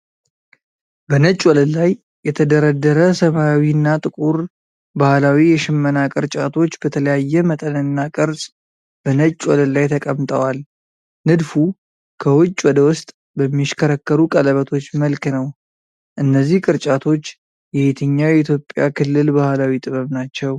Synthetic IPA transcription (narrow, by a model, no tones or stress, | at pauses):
bənət͡ʃʼːwɔləlːajː | ɛt̪ʰəd̪əɾəd̪ːəɾəsəmaawinːat̪ʼɨkʼuɾ | bahlawijɛʃɪmːənakʼɨɾt͡ʃʼat̪ʰo̞t͡ʃːbət̪ʰələjajːɛmət̪ʼənɨnːakʼɨɾsʼ | b̥ənət͡ʃʼːwɔləlajt̪ʰəkʼəmt̪ʼəwal | nɨd̪fu | kʰəwʊt͡ʃʼːwɔd̪əwʊst̪ʼ | bəmːiʃkʰəɾəkːəɾukʼələβət̪ʰo̞t͡ʃːməlknəw | ʔɨnːəzːihkʼɨɾt͡ʃʼat̪ʰo̞t͡ʃː | jɛet̪ʰəɲːawjɛit̪jo̞pʼːja̰kʰɨlːɨlbahlawit̪ʼɨβəβnat͡ʃːɛw